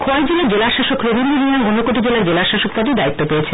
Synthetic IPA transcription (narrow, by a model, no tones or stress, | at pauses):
kʰoad͡ʑelaɾd͡ʑelaʃaʃokɾobʱiniɾiiamonːokoʈid͡ʑelaɾd͡ʑelaʃaʃok̚pad̪ed̪ait̪ːopeet͡ɕʰe